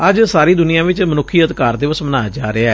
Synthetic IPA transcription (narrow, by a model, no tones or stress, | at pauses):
əd͡ʒsaːɾiːd̪ʊnɪjãːʋɪt͡ʃmənʊkʰːiːət̪kaːɾd̪eːʋəsmənaːd͡ʒaːɾeaɛ